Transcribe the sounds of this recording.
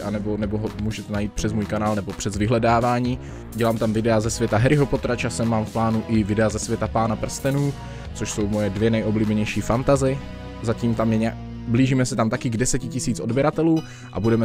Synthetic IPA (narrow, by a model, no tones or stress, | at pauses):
ʔanɛbo̞nɛboɦomuːʒɛt̪ɛnajiːt̪̚pr̝̥ɛzmuːjkanaːlnɛbo̞pr̥ɛzvɪɦlɛdaːvaːɲiː | ɟɛlaːmt̪amvɪdɛazɛsvʲjɛt̪aɦɛɾɪɦo̞po̞t̪ɾat͡ʃasɛmːaːmfplaːnuʔɪvɪdɛazɛsvjɛt̪apaːnapr̩st̪ɛnuː | t͡soʃso̞wmo̞jɛdvjɛnɛjʔo̞bliːbɛɲɛjʃiːfant̪azɪ | zaciːmt̪amjɛɲa | bliːʒiːmɛsɛt̪amt̪akɪɡdɛsɛcɪcɪsiːt͡sʔo̞dbjɛɾat̪ɛluː | ʔa̰budɛmɛ